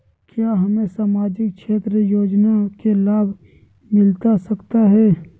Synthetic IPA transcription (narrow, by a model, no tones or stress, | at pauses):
kjaːɦɐmẽsaːmaːd͡ʒɪk̚ʃʰeːt̪ɾəjoːd͡ʒnakelaːbʱ | mɪlt̪asɐkt̪aɦɛː